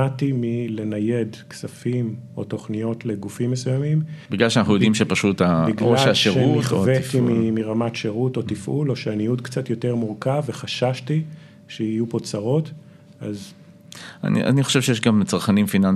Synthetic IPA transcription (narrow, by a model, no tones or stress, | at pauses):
atimile̞najedksafimo̞to̞χnijo̞tleɡufimːesujamimbiɡlalʃ̬anaχnujodimʃepaʃutabiɡloaʃaʃeʁutχovetimimiʁamatʃeʁuto̞t̪ifʔulo̞ʃeanijutkt͡satjo̞te̞ʁmuʁkaveχaʃaʃti | ʃeijupo̞t͡saʁo̞t | a̰z | a̰nḭʔa̰niχoʃevʃejeʃɡamt͡saʁχanimfinan